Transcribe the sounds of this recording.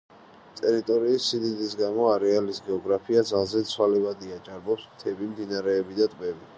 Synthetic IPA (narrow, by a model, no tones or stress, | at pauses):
t̪ʼɛɾit̪ʼɔɾiːsːid̪id̪isɡamɔaɾɛalisɡɛɔɡɾapʰiad̪zalˠzɛt̪sʰwalɛvad̪iad͡ʒʼaɾbɔpsmt̪ʰɛbimd̪inaɾɛːbid̪at̪ʼbɛbi